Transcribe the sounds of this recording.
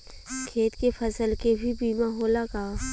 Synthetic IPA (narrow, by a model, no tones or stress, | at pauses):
kʰeːt̪kefʰɐsəlkebʱibiːmaɦoːlakaː